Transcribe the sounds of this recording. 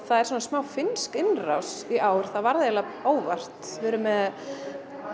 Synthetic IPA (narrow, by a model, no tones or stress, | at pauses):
θaðɛɾ̥swɔːnasmaːwfɪnskɪnra̰wsiʔaːwɪɾ̥θavaɾðɪjalaoːwvar̥t̪vɛːɾʏmɛð